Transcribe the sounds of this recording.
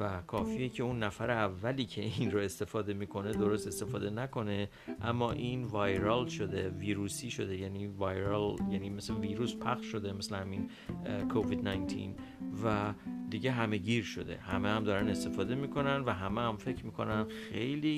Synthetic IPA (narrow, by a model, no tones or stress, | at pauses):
vækʰɒːfiːjecʰe̞unːæfæɾeævːæliːcʰe̞inroe̞st̪e̞fɒːd̪e̞mikʰo̞ne̞d̪o̞ɾo̞st̪e̞st̪e̞fɒːd̪e̞nækʰo̞ne̞ | ʔæmːɒːʔinvɒːjɾɒlʃo̞d̪e̞viːɾuːsiːʃo̞d̪e̞jænivɒjɾɑljænimesleviːɾuːspʰæxʃʃo̞d̪e̞me̞slehæmin | kʰoviːd̪næjnt̪ʰḭn | væd̪iɟeɦæme̞ɟiːɾʃo̞̰d̪e̞̰hæmehæmd̪ɒːɾæne̞st̪e̞fɒːd̪e̞miːkʰo̞nænvæɦæmeæmfe̞cʰɾmiːkʰo̞̰nænxe̞jliː